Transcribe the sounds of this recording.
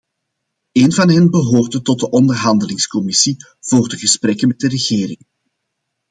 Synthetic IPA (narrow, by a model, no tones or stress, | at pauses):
eːnvɑnɦɛnbəɦoːrdətɔt̚dəʔɔndərɦɑndəlɪŋskɔmɪsi | v̥oːrdəɣəspɾɛkənmɛt̚dərəɣeːɾɪŋ